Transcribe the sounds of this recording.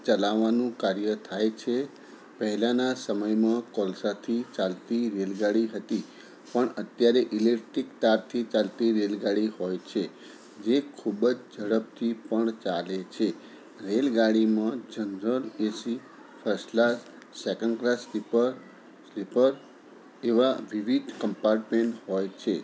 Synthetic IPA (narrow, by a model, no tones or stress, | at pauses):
t͡ʃəlaʋːanũkaɾjət̪ʰajt͡ʃʰe | pəɦɛlanasəməjmãkɔlsat̪ʰit͡ʃalt̪iɾelɡaɽiɦət̪i | pəɳət̪jaɾeʔilekʈɾikt̪aɾt̪ʰit͡ʃalt̪iɾelɡaɽiɦojt͡ʃʰe | d͡ʒekʰubəd͡ʒd͡ʒəɽəp̚t̪ʰipəɳt͡ʃalet͡ʃʰe | ɾelɡaɽimãd͡ʒənɾəlesi | fʰəɾslas | sekəɳɖkɾaslipə | slipəɾ | eʋaʋiʋid̪ʱkəmpaɾʈmeɳʈhɔjt͡ʃʰe